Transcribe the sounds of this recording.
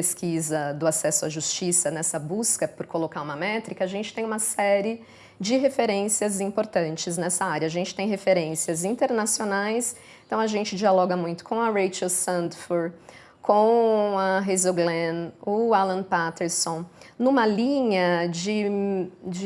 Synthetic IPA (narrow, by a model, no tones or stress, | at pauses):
eskʰizɐd̪ʊasɛsʊaʒust͡ʃisɐnɛsɐbuskɐpʊɾkolokaɾũmɐmɛt̪ɾikɐaʒẽnt͡ʃɪ̥t̪ẽj̃ũmɐsɛɾɪ | d͡ʒɪɦefeɾẽsiɐzĩmpoɾt̪ɐ̃nt͡ʃɪznɛsɐaɾjɐːʒẽnt͡ʃɪ̥t̪ẽj̃ɦefeɾẽsiɐzĩnt̪eɾnasionajs | t̪ɐ̃w̃ɐʒẽnt͡ʃɪd͡ʒialɔɡɐmũj̃t̪ʊ̥kʰõw̃ɐɾejt͡ʃɐsɐ̃nt̪foɾ | kʰõw̃ɐɦezoɡlẽnʊalɐ̃npat̪eɾsõnũmɐlĩɲɐd͡ʒɪ | d͡ʒɪ